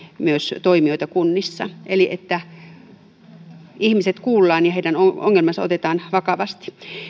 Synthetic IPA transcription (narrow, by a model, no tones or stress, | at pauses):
myøst̪oimioit̪ɑkunːisːɑʔeliʔet̪ːæ | ihmiset̪kuːlːɑːnjɑheidænoo̰ŋːelmɑnsɑo̰t̪et̪ɑːnʋɑkɑʋɑst̪i̥